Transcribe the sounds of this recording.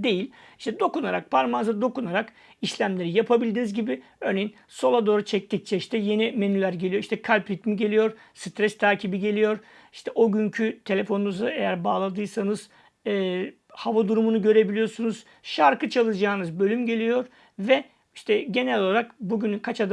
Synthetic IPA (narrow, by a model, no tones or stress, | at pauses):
d̪e̞jilʲ | iʃt̪ʰɛd̪o̞kunaɾak̚pʰaɾmazad̪o̞kunaɾak | iʃlʲæmlʲe̞ɾijapʰabilʲd̪inizɟibɪ | ø̞ɾne̞jin | so̞lˠad̪oːɾut͡ʃʰɛc̚t̪ʰic̚t͡ʃʰɛiʃt̪ʰɛje̞nime̞nylʲæɾɟe̞lʲijo̞iʃt̪ʰɛkʰalʲpɾit̪miɟe̞lʲijo̞ɾ | sɯt̪ɾɛst̪ʰaːcʰibiɟe̞lʲijo̞ɾ | iʃt̪ʰɛʔo̞ɟyɲcʰyt̪ʰe̞lʲe̞fo̞nunuzue̞jæɾbaːlˠad̪ɯjsanɯz̥ | ɛː | havad̪uɾumunuɟø̞ɾe̞bilʲijo̞ɾsunuz̥ | ʃaɾkɯt͡ʃʰalˠɯd͡ʒaːnɯzbø̞lʲymɟe̞lʲijo̞ɾ | vɛ | iʃt̪ʰɛɟe̞nɛlʲoaɾakbuɟynykʰat͡ʃad̪ɯ